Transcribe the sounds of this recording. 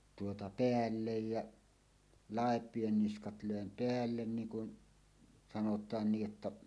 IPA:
tuotɑ peælːej jɑ lɑˑepˑien niskɑt løˑem peælːen niːŋ kun sɑnotˑɑːn ni ʔə̆tːæ

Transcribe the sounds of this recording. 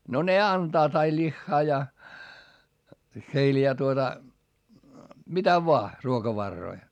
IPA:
no ne ɑntɑːt ɑi lʲixːɑː jɑ heil jɑ tuotɑ mitæ ʋoɑ ruokɑʋɑrːoi

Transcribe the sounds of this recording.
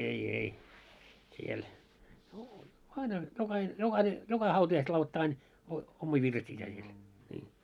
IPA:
ei ei siel no ɑinɑ jokɑhin jokɑhine jokɑ hɑutɑjɑiset lɑuloit ɑin o omːiː ʋirsiæː siel niː

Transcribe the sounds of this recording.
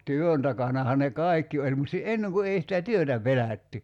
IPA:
tyøn tɑkɑnɑhɑ ne kɑˑi̞kːi olʲ mut si enːeŋ ku ei sitæ tyøtæ pelæˑtːy

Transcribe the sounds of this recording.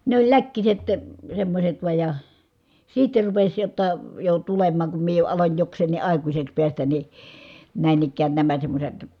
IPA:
ne olʲ lækːiset semːosʲet ʋuɑj jɑ siːtːe rupesʲ jotːɑ jo tulemˑɑːŋ kum mie jo ɑlonʲ joksˑeːnːi ʔɑˑikusʲeks piæstæn ni næˑin ikːæːn næmæ semːosʲet

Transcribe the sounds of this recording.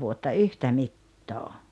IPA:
ʋuotːɑ yhtæ mitːoː

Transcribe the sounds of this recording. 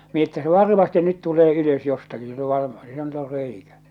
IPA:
etːæ se ʋɑrmɑste nyt tuleː yløs jostɑki silː o ʋɑr silːæ ny̆t or reikæ

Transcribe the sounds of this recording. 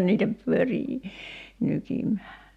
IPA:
niːtæ pyøriː nykimˑæː

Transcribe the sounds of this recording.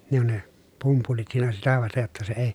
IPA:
ne on ne pumpulit siːnæ sitæ ʋɑstej jotːɑ se ei

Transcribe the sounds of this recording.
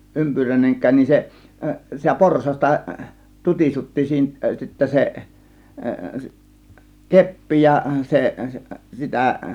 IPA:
ʔympyræineŋkˑæːn nin se sitæ porsɑstɑ tutʲisutːi siːnæ sitːæ se kepːi jɑ seʔ sitæ

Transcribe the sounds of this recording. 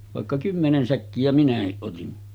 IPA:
ʋɑˑekːɑ kymːenen sækːijæ minæhiʔ ʔotin

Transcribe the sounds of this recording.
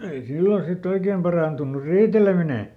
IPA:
ei silːo sit oikeːm pɑrɑˑntunːur riːtelemine

